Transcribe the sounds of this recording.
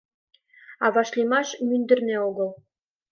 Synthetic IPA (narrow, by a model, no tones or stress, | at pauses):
ɑβɑʃlʲimɑʃmynd̪ə̆rneoɡɤlˠ